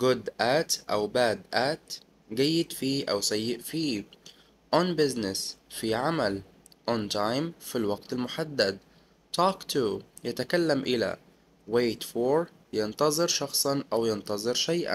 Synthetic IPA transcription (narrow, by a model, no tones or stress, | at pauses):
ɡʊd̪ʔaːt̪ʔa̰wbaːd̪ʔæːt̪ | ɡæjːɪd̪fiːʔa̰wsajːɪʔfiː | ʔɔnbɪznɪsfiʕamal | ʔɔnt̪ajmfilwɑɡt̪almʊħad̪ːad̪ | t̪ɔːkt̪ʰujat̪akalːamʔɪla̰ | weːt̪foɾ | jɪnt̪ɑzˤɨɾʃɑxsˤɑnʔawjɪnt̪ɑzˤɨɾʃajʔa̰